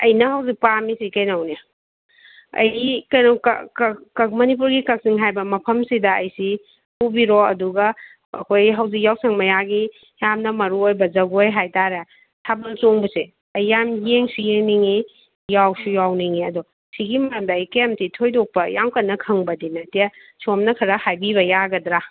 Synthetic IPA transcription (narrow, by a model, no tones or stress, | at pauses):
ɐjnɐɦɐwzik̚pamisikɐjnɐwni | ɐ̰jikɐnokkkkmɐnip̬uɾɡikɐk̚siŋɦajbɐmɐpʰɐmsidɐɐjsi | hubiɾɔɐduɡɐ | ɐkʰojɦɐwzik̬̚jawsɐŋmɐjaɡi | jamnɐmɐɾuojbɐzɐɡojɦajtaɾe | tʰabɐlt͡ʃoŋbɐse | ɐjːamjeŋsijeŋniŋi | jawsujawniŋiɐdɔ | siɡimɐɾɐmdɐːjkɐjamtitʰojdok̚pɐjaŋkɐnːɐkʰɐŋbɐdinɐtiɐ | somnɐkʰɐɾɐhajbiβɐjaɡɐdɾa